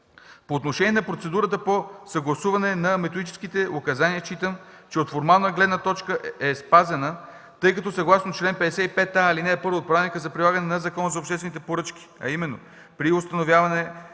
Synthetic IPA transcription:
poːt̪noʃɛniɛnɐpɾot̪sɛd̪uɾət̪̬əposɐɡlˠɐsuvɐnɛnɐmɛt̪od̪it͡ʃɛ̥skit̪ɛokɐzaniət͡ʃit̪əm | t͡ʃɛot̪foɾmalˠnəɡlɛd̪nət̪ɔt͡ʃkəʔɛspazɛnə | t̪ɤjkɐt̪ɔsɐɡlˠasnot͡ʃlɛnpɛd̪ɛsɛipɛt̪ːailinɛːpɤɾvoːt̪̚pɾanikəzɐpɾilˠaɡɐnɛnɐzɐkɔnəzɐopʃt̪ɛsvɛnit̪̬ɛpoɾɤt͡ʃk̟i̥ɐ̰imɛnːo̰ | pɾiost̪ɐnovʲjavɐnɛ

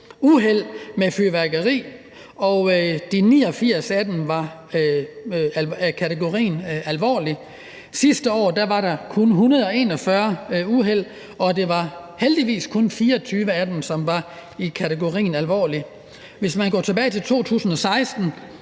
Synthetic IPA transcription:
uɦel̰mefyʋæɐɡ̥ɐʁḭː | ɒ̽d̥inḭːɒ̽fiɐ̰sæd̥enʋɑ̈ | lkʰæt͡sʰeɡ̥o̝ʁḭːnælʋɒ̰ːli | sisd̥əɒ̰ːd̥æʋɑ̈ɾɑ̈kʰɔ̽nɦunɐð̞ˠɒ̽e̝nɒ̽fɶɐuɦel̰ | ɒ̽d̥e̝ʋɑ̈held̥iʋḭːskʰɔ̽nfiːɐɒt͡sʰyːʋəæd̥en̩sɒ̽mʋɑ̈ | ikʰæt͡sʰeɡ̥o̝ʁḭːnælʋɒ̰ːli | ʋe̝smænɡ̥ɒ̰ːt͡sʰe̝b̥ɛːɪt͡sʰe̝lt͡sʰo̝̰ːt͡sʰṵːsn̩ɒ̽sɑ̈ɪsd̥n̩

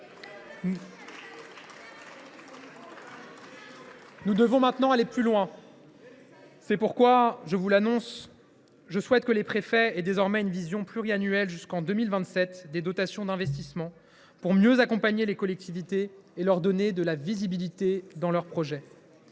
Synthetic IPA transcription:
nud̪əvɔ̃mɛ̃t̪nɑ̃aleplylwɛ̃ | sɛpuʁkwaʒəvulanɔ̃s | ʒəswɛt̪kəlepχefɛɛd̪ezɔʁmɛynvizjɔ̃plyʁianyɛlʒyskɑ̃d̪ømilvɛ̃t̪sɛt̪d̪ed̪ɔt̪asjɔ̃d̪ɛ̃vɛst̪ismɑ̃ | puʁmjøzakɔ̃paɲelekɔlɛk̚t̪ʰivit̪eːlœʁd̪ɔned̪əlavizibilit̪ed̪ɑ̃lœʁpχɔʒɛ

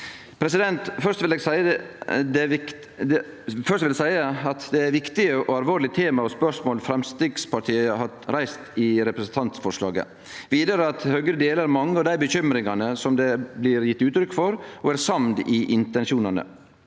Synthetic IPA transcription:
pʰɾɛsɪd̪ɛnt̪fœʂt̪ʋɪlɛːɡsæɪəd̪ɛ | d̪ɛ | fœɾʂt̪ʋɪlsæɪəɑt̪d̪ɛæɾʋɪkt̪ɪəʔɔɑlʋoːɾɭɪt̪ʰeːmɑɔspœʂmoːlfɾɛmst̪ɪɡspʰɑʈʰiːəhɑ | ɾæɪst̪ɪɾɛpɾəsənt̪ʰɑnt̪sfɔʂlɑ̰ːɡə̰ | ʋiːd̪əɾəɑt̪høɡɾəd̪eːləɾmɑŋːəɑʋd̪æɪbəçʏmɾɪŋɑnəsɔmd̪ɛblɪɾjɪt̪ːʉːt̪ɾʏkːfɔɾɔæɾsɑmd̪ɪʔɪnt̪ɛnʃuːnɑnə̰

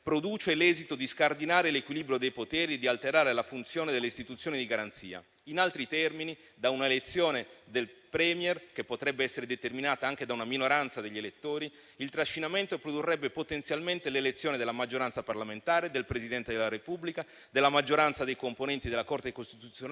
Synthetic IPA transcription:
pɾod̪uːt͡ʃelɛːzit̪od̪iskard̪inaːɾelekwiliːbɾjod̪ejpot̪ɛːɾid̪ialt̪eɾaːɾelafunt̪sjoːned̪elːeist̪it̪ut̪sːjoːnid̪iɡaɾant̪sḭːa̰ | inalt̪ɾit̪ɛrmini | d̪aunaelet̪sːjoːned̪elpɾɛmjɛrkepːot̪ɾɛbːeɛsːeɾed̪et̪erminaːt̪aaŋk̟ed̪aunaminoɾant̪sad̪eʎːelet̪ːoːɾi | ilt̪ɾaʃːinament̪opɾod̪urːɛbːepot̪ent̪sjalment̪elelet̪sːjoːned̪elːamad͡ʒːoɾant̪saparlament̪aːɾed̪elpɾezid̪ɛnt̪ed̪elːaɾepubːlika | d̪elːamad͡ʒːoɾant̪sad̪ejkomponɛnt̪id̪elakort̪ekost̪it̪ut̪sjon

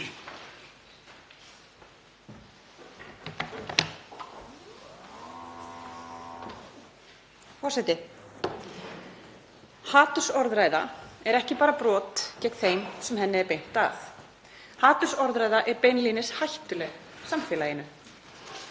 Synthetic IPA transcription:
fɔ̥sɛjt̪ɪ | haːt̪ʏ̥sɔɾðɾaːjða̰ɛɾɛhcɪpaːɾapɾɔːt̪cɛk̪θejmsɛmɦɛnːɪɛɾpejn̥t̪a̰θ | haːt̪ʏsɔɾðɾaːjðaʔɛɾpejnliːnɪshajht̪ʏlɛɣ | samfɛːlajɪnʏ

